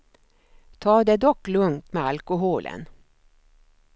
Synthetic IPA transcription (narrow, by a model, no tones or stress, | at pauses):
t̪ʰɑːd̪eːd̪ɔklɵŋt̪meːɑlkʊɦuːlʔə̰n